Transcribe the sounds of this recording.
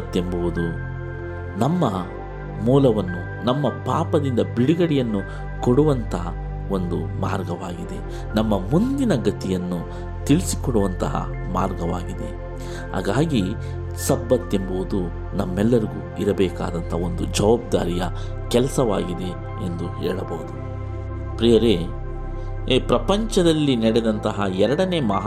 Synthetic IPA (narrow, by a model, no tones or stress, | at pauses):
t̪ːembuʋud̪u | nɐmːɐ | muːlɐʋɐnːu | nɐmːɐpaːpɐd̪ind̪ɐbiɽiɡɐɽijɐnːu | koɽuʋɐnt̪ʰɐ | o̞nd̪uma̰ːɾɡɐʋaːɡid̪e̞ | nɐmːɐmund̪inɐɡɐt̪ijɐnːu | t̪iɭisi̥kɔɽuʋɐnt̪ɐɦɐ̰ | maːɾɡɐʋaːɡid̪e̞ | ɦa̰ːɡaːɡi | sɐbːɐt̪ːemboud̪u | nɐmːɛlːɐɾiɡuːiɾɐbɛːka̰ːd̪ɐnt̪ʰɐo̞nd̪ud͡ʒɐʋaːb̚d̪aːɾijɐ | kɛlɐsɐʋaːɡid̪e̞ | end̪uɦɛ̰ːɭɐbɐud̪u | pɾijɐɾe | pɾɐpɐɲt͡ʃɐd̪ɐlːinɛɽɛd̪ɐnt̪ɐɦɐɛɾɐɽɐne̞ːmɐɦ